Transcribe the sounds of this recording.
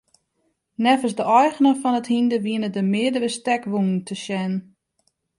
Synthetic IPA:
nɛfəsdəʔɔjχənəfɔnəthindəʋiənədəmɪədərəstɛkʋunn̩tʰəsjɛn

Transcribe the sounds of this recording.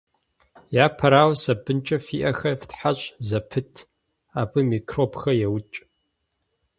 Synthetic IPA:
jaːpʰɐɾaːwsɐbɨnt͡ʃʼɐfiːʔɐxɐftħaɕʼzɐpʰɨtʰ | aːpʰɨmiːkʰroːpxɐjɛwʊt͡ʃʼ

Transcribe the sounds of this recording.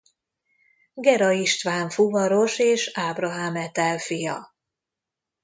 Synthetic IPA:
ɡɛɾɒiʃt̪ʋaːɱfuvɒɾo̞ʃeːʃaːbrɒɦamɛt̪ɛlfijɒ̰

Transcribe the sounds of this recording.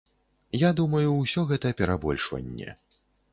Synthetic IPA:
jad̪umɐjusʲɔɣɛt̪ɐpʲɛɾabɔlʲʂvɐ̰nʲːɛ̰

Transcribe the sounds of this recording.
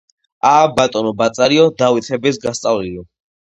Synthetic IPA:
abat̪ʼɔnɔbat̪sʼaɾiɔd̪awit̪ʰɛbisɡast̪sʼavlili

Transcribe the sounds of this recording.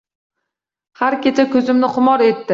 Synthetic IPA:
haɾkʲe̞t͡ʃʰakʲʰɵzɪmnɪqʰʊmɒɾe̞t̪ːɪ

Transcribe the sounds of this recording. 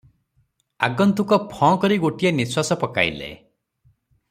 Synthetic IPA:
a̰ɡɔnt̪ukɔpʰɔ̃kɔɾiɡoʈieniswasɔpɔka̰j̰lḛ

